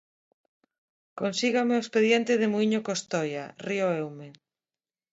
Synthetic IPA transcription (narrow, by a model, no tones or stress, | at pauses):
konsiɣameoespeðjent̪ɪðemuiɲokost̪ɔjarioewme